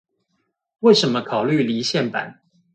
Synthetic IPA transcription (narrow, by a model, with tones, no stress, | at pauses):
we˥˩ɪʂə˧˦nmə˧kʰɑ˨˩ʊly˥˨li˧˥ɕjɛ˥˩npa̰˨˦n